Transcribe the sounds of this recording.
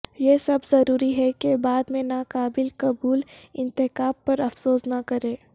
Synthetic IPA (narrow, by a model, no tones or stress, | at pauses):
jesɐbzɐɾuːɾiɦɛkebaːd̪mẽnaːkaːbɪlkɐbuːlɪ̃nt̪ɪkaːbpɐɾɐfsoːsnɐkɐɾẽː